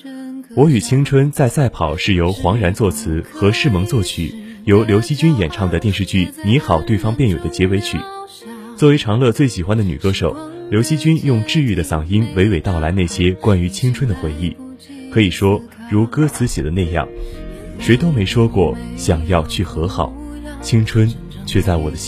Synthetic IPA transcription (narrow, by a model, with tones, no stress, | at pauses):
wɔ˧˥y˨˩t͡ɕʰi˥ŋʈ͡ʂʰwə˥nt͡sa˥˧ɪsa˥˩ɪpʰɑ˨˩ʊʂɻ̩˥˩jo˧˥ʊxwɑ˧˥ŋɻa˧˥nt͡swɔ˥˩t͡sʰɹ̩˧˥xɤ˧˥ʂɻ̩˥˩mɤ˧˥ŋt͡swɔ˥˩t͡ɕʰy̰˨˩˦ | jo˧˥ʊljo˧˥ʊɕi˥t͡ɕy˥njɛ˨˩nʈ͡ʂʰɑ˥˩ŋd̪ə˩t̪jɛ˥˧nʂ̬ɻ̩˥˧t͡ɕy˥˩ni˧˥xɑ˨˩ʊt̪we˥˩ɪfɑ˥ŋpjɛ˥˩njo˨˩d̪ə˦t͡ɕjɛ˧˥we˧˥ɪt͡ɕʰy̰˨˩˦ | t͡swɔ˥˩we˧˥ɪʈ͡ʂʰɑ˧˥ŋlɤ˥˧t͡swe˥˩ɪɕi˨˩xwa˥nd̪ə˨˩ny̰˨˩kɤ˥ʂo˨˩˦ʊljo˧˥ʊɕi˥t͡ɕy˥njʊ˥˧ŋʈ͡ʂɻ̩˥˧y˥˩d̪ə˩sɑ˨˩ŋi˥nwe˧˥ɪwe˨˩ɪt̪ɑ˥˩ʊla˧˥ɪna˥˩ɪɕjɛ˥kwa˥ny˧˥t͡ɕʰi˥ŋʈ͡ʂʰwə˥nd̪ə˨xwe˧˥ɪi˥˩ | kʰɤ˧˥i˨˩ʂwɔ˥ | ɻu˧˥kɤ˥t͡sʰɹ̩˧˥ɕjɛ̰˨˩d̪ə˦ne˥˧ɪjɑ̰˥˩ŋ | ʂwe˧˥ɪt̪o˥ʊme˧˥ɪʂwɔ˥kwɔ˥˩ɕjɑ˨˩ŋjɑ˥˧ʊt͡ɕʰy˥˩xɤ˧˥xɑ˨˩˦ʊ | t͡ɕʰi˥ŋʈ͡ʂʰwə˥n | t͡ɕʰɥɛ˥˧t͡sa˥˩ɪwɔ̰˨˩d̪ə˦ɕ